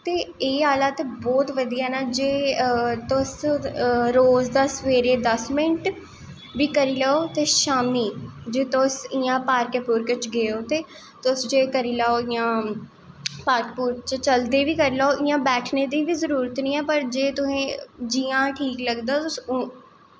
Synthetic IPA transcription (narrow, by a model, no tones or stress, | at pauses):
t̪eːeːaːlat̪bɔːt̪ʋəd̪iːanaːd͡ʒeːt̪ʊs | ɾoːzd̪aːsʋeːɾeːd̪əsmɪʈ | ʋiːkəɾiːlɛːoːt̪eːʃaːmniːd͡ʒeːt̪ʊsijãːpaːɾkepʊːɾkət͡ʃɡeoːt̪eː | t̪ʊsd͡ʒeːkəɾiːlaːoijãː | paːɾkpuːɾkt͡ʃt͡ʃəld̪eːʋiːkəɾilaːoʔijãːbɛːʈʰneːd̪iːʋiːzəɾuːɾət̪nĩːɛːpəɾd͡ʒeːt̪ʊsẽːd͡ʒiːãːʈʰiːkləɡd̪aːt̪ʊs